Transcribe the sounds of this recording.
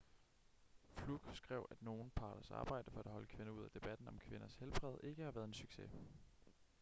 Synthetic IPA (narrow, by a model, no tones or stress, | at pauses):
fluɡ̥sɡ̥ʁɛʊ̰ʔæd̥no̝ːn̩pʰɑ̈ːɾ̥ɐsɑ̰̈ːb̥ɑ̈ɪ̰d̥əfɒ̽æd̥hɒ̽ləkʰʋe̝nɐuð̞̰ˠæd̥e̝b̥æd̥n̩ɒ̽mkʰʋe̝nɐshelb̥ʁɛð̞ˠe̝ɡ̥əhɑ̈ʋæɐð̞ˠensyɡ̥sḛ